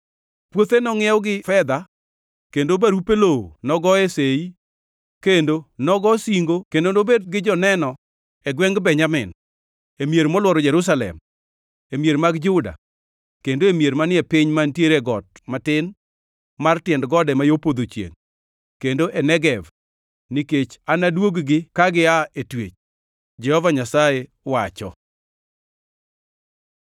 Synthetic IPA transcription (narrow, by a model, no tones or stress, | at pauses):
pwot̪enɔŋɪɛwɡɪfɛd̪a | kendobaɾupelonɔɡɔesei | kendonɔɡɔsiŋɡokendonobed̚ɡɪd͡ʒɔnɛnɔ | ɛɡwɛŋɡbɛɲamɪn | emjeɾmɔlwɔɾɔd͡ʒɛɾʊs̬alɛ̰m | emjeɾmaɡd͡ʒʊda̰ | kendoemjeɾmanɪɛpɪɲmantjeɾeɡɔt̚matɪn | martɪɛndɡɔdɛmajopod̪ot͡ʃjḛŋ | kendoʔɛnɛɡɛv | nɪket͡ʃanadwoɡɡɪkaɡɪaetwḛt͡ʃ | d͡ʒɛhɔvaɲasaje | wat͡ʃɔ̰